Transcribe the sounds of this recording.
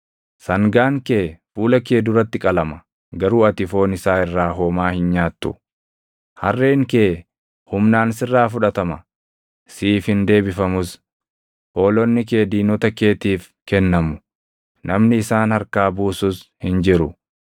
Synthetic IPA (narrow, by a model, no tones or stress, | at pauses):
sɐŋɡaːŋkeːfuːlɐke̞ːd̪ʊɾɐt̪ːɪkʼɐlɐmɐ̥ | ɡɐɾuːɐt̪ɪfo̞ːnɪsaːɪrːaːɦoːmaːhɪnɲaːt̪ːʊ̰ | hɐ̰rːeːŋke̞ː | hʊmnaːnɪsɪrːaːf̬ʊᶑɐt̪ɐmɐ | siːfhɪnd̪e̞ːbɪfɐmʊs | ho̞ːlɔnːɪke̞ːd̪iːnɔt̪ɐke̞ːt̪iːf | kɛnːɐmʊ̥ | nʔɐmnɪɪsaːnhɐɾkaːbuːsʊshɪnd͡ʒɪɾʊ